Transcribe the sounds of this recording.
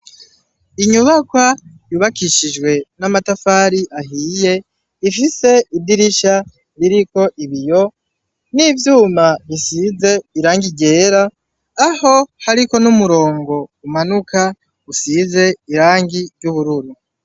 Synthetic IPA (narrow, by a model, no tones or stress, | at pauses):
iɲuβakwa | juβakiʃid͡ʒɡwe̞namatafaːɾiʔaɦiːje̞ | ifise̞idiɾiʃa | βiɾiko̞ʔiβijo̞ | nivjuːmaβisize̞iɾaːŋɡiɟe̞ːɾaː | ho̞haɾiko̞numuɾo̞ːŋɡo̞umanuka | usize̞iɾaːŋɡiɾjuβuɾuɾu